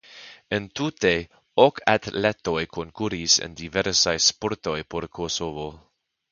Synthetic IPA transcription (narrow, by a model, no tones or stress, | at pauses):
entute̞ | okʰatleto̞jkʰoŋkuɾisḛndiveɾsajspoɾto̞jpo̞ɾkʰosovo̞